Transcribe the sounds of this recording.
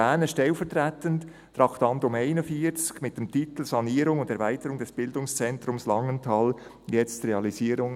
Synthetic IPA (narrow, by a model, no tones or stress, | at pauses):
ɛːnəʃtɛlfɛʁtɾɛːtənt | tɾɑχtɑndʊmeɪnəfiːt͡skmɪt̚d̥emtit̪l̩sɑniːɾʊŋʊndɛɐɾvaɪtəɾʊŋdɛsb̥ɪldʊŋst͡sɛnt̪ɾʊmslɑŋəntʰɑl | jɛt͡streɑlisiːɾʊŋ